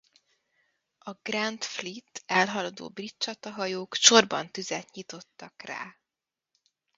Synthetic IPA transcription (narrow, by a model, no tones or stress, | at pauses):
ɒɡ̥rɛnt̪flit̪ːɛlɦɒlɒd̪o̰ːbrit̪t͡ʃɒt̪ɒɦɒjoːkʃo̞rbɒnt̪yzɛt̪ɲit̪o̞t̪ːɒkra̰ː